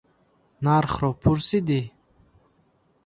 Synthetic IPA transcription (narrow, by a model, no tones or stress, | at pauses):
naɾχɾɔpʰuɾsid̪i